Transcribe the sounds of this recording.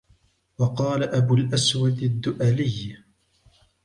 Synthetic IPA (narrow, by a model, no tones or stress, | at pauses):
wɑqɑːlaʔabʊlʔaswad̪ad̪ːʊʔalɪj